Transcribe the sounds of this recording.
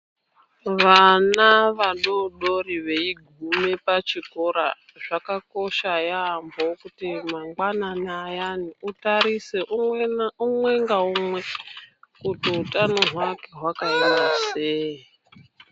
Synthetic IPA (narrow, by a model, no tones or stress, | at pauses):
ʋanaʋaɗoɗo̞ɾiʋe̞iɡʱumepat͡ʃiko̞ɾa | ʐakako̞ʃajaːmbokutimaŋɡwananajaniutaɾiseʔuumwe̞ŋɡaumwe | kutiutʼanoɦwake̞ɦwakaindaseɦi